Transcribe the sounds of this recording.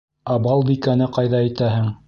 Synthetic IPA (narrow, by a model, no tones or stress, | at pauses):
ɑbɑlˠbikænɘqɑjðɑĭt̪æhɘŋ